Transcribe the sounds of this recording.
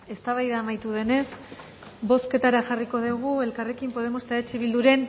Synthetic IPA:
e̞st̪aβajðaːmajt̪uð̞e̞ne̞s | bo̞ske̞t̪aɾaʝariko̞ðeɣ̞ue̞lkare̞kimpo̞ð̞e̞mo̞st̪aet͡ʃiβild̪uɾe̞n

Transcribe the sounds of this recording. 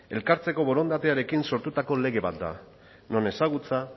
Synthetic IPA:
e̞lkaɾt͡se̞ko̞βo̞ɾo̞nd̪at̪eaɾe̞kinso̞ɾt̪ut̪ako̞le̞ɣ̞e̞βat̪̚d̪a̰ | no̞ne̞saɣ̞ut͡sa

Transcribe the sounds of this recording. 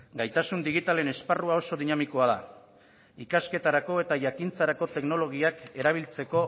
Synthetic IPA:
ɡajt̪asund̪iɣ̞it̪ale̞ne̞sparuao̞so̞ðinamiko̞aða̰ | ikaske̞t̪aɾako̞e̞t̪aʝakint͡saɾako̞t̪e̞kno̞lo̞ɣ̞iake̞ɾaβ̞ilt͡se̞ko̞

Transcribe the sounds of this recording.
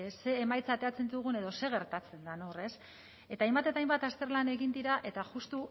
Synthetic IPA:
se̞ːmajt͡saːt̪e̞at͡se̞nd̪uɣ̞une̞ðo̞se̞ɣ̞e̞ɾt̪at͡se̞nd̪anore̞s | e̞t̪aːjmbat̪e̞t̪ajmbat̪ast̪e̞ɾlane̞ɣind̪iɾaʔe̞t̪aʝust̪u

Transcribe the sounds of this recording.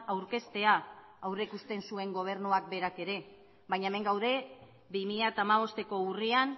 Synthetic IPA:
awɾke̞st̪e̞aː | wrekust̪e̞nsue̞ŋɡo̞β̞e̞ɾnuak̚be̞ɾake̞ɾe̞ | βajɲaeme̞ŋɡawðe̞ | bimiʎat̪aːmaβ̞o̞st̪e̞ko̞urian

